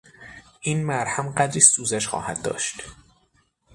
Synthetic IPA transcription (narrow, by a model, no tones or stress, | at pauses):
ʔiːnmæɾhæmɢæd̪ɾiːsuːzæʃxɒ̰ːhæd̪ːɒ̰ːʃt̪